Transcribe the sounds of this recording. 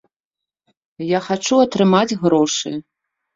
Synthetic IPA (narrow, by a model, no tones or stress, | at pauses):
jaxat͡ʂuat̪ɾɨmat͡sʲɣɾɔʂɨ̰